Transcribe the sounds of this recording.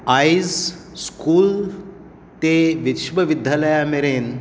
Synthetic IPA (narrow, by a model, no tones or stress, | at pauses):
ajzskuːl | t̪eʋit̪ʃbəʋid̪ʱjaləjameɾen